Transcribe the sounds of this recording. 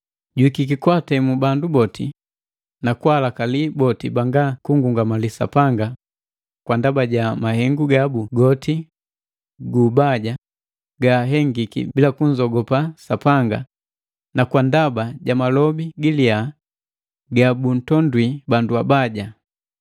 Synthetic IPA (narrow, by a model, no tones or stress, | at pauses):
ɟuwikikikwatɛmubandubɔtʰi | nakualakalibɔtibaŋɡakuŋɡuŋɡamalisa̰paŋɡa | kwandabaɟamahɛŋɡuɡabuɡɔti | ɡubaɟa | ɡaɦɛŋɡikḭbilakuɲd͡ʒɔɡɔpasapaŋɡa | nakwandabaɟamalɔbiɡilia | ɡabun̩tɔndwibanduabaɟa